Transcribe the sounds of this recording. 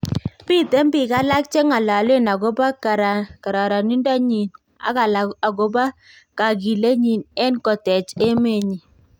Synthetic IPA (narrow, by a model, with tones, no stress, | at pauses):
mbi˦te˦mbi˨ka˦la˦k̚t͡ʃe˦ŋa˨la˨le˦na˨ɡo˦ba˦kɾka˨ɾa˨ɾa˨ni˦nda˦ɲi˨n | a̰˨˦ka˨la˨ɡo˦ba˦ | ka˨ɡ̬i˨le˦ɲi˨nɛ˦nkɔ˨tɛ˨t͡ʃe˦me˦˨ɲi˨